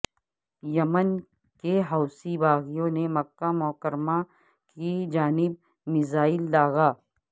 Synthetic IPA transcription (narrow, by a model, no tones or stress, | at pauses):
jɐmən | keɦɐʊsibaːɣijõnemɐkːamɔːkəɾma | kid͡ʒaːnɪb̚ | mɪzaːɪlːaːɣaː